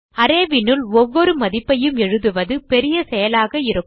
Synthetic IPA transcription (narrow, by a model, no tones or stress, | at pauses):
ɐɾeːʋɪnɯlɔʋːɔɾɯmɐðɪpːɐjɯmɛɻɯðɯʋɐðɯpɛɾɪjɐsɛjɐlaːɣɐɪɾɯkː